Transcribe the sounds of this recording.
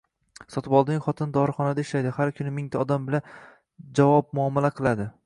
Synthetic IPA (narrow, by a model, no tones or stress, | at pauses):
sɒt̪ʰɪpɒlˠd̪ɪŋʲχɒt̪ʰɪnd̪ɒɾχɒnad̪aɪʃlajd̪ɪhaɾkʲʰʊnɪmɪŋt̪ʰaɒd̪ambɪlan | d͡ʒavɒp̚mʊɒmːalaqʰɨlˠad̪ɪ